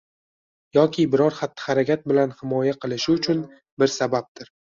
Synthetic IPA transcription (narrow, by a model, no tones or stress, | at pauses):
jɒkʲʰɪbɪɾɒɾχat̪ːɪ̥χaɾakʲʰat̪̚bɪlanhɪmɒjaqʰɨlˠɪʃɪʊt͡ʃʰʊn | bɪɾsabap̚t̪ɪɾ